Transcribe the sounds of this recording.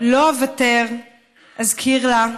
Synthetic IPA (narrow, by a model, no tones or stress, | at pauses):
loavateʁ | azkʰiʁla